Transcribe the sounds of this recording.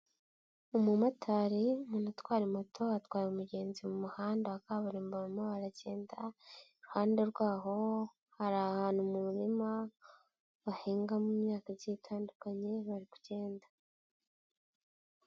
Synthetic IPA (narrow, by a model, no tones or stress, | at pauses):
umumatʰaːɾimunatwaːɾimotʰohatwaːɾiumuɟe̞ːnzimumuhaːndaakaβaɾiːmboɾumoβaɾaɟe̞ːndaiɾuhaːnde̞ɾɡwaːɦo̞ | haɾahaːn̥humumuɾima | βahiːŋɡamumɲaːkaziitʰaːndukaɲe̞βaɾiku̥ce̞ːndḁ